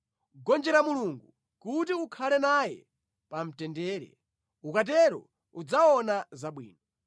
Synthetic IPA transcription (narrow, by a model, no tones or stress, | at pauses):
ɡɔnd͡ʒɛɾamuluŋɡu | kutiukʰalɛnajɛ̰ | pam̩tɛndɛːɾɛ̰ | ukat̬ɛɾɔ̰ | ud͡zawɔnazaɓwḭːnɔ